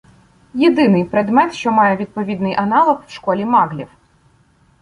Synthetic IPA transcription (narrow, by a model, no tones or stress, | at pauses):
jed̪ɪnɪjpɾed̪mɛt̪ʃt͡ʃɔmɑjɛʋʲid̪̚pɔʋʲid̪nɪjʔɐnɑlˠɔxwʃkɔlʲimɑɣlʲḭw